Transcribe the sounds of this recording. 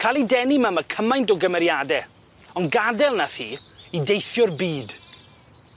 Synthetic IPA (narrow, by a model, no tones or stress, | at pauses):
kʰalˠidɛnimamakʰəmãjntɔɡəmɛɾjadɛ | ɔnɡadɛlˠnaθiːidejθjʊrbiːd